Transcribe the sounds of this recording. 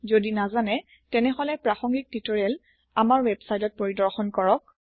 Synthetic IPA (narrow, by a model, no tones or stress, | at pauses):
zodinazanɛ | tɛnɛɦɔlɛpɹaxɔŋɡik̚titɔɹɛl | amaɹwɛbsajtɔt̚poɹidɔɹxɔnkɔɹɔk̚